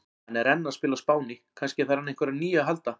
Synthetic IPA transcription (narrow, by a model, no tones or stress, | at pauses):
ɛnːɛɾɛnːaðspɪːlaspaːwnɪkʰanscɪθaɾhanːehŋkvɛɾaniːjaɦalt̪a